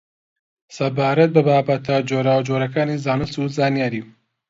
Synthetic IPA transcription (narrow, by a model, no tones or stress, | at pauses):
sɐbaːɾɐt̪̚bɐbaːbɐt̪ad͡ʒoːɾaːwd͡ʒoːɾɐkaːniːzaːnɨst̪uzaːnjaːɾiːw